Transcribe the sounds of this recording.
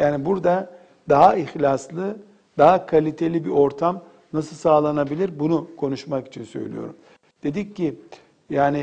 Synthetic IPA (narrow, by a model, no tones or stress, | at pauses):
jaːnibuɾd̪a | d̪aɦaixlʲaslˠɯ | d̪aɦakʰalʲit̪ʰe̞lʲibiʔo̞ɾt̪ʰam | nasɯlˠsaːlˠanabilʲiɾbunukʰo̞nuʃmaki̥t͡ʃʰinsø̞̰jlʲḭjo̞̰ɾum | d̪̥e̞d̪icːi | jaːni